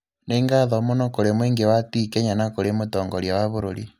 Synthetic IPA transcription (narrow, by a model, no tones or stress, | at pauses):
neŋɡaðɔmonɔkoɾemweːŋɡewatikeɲanakoɾemotɔːŋɡɔɾjawaβoɾo̰ɾḭ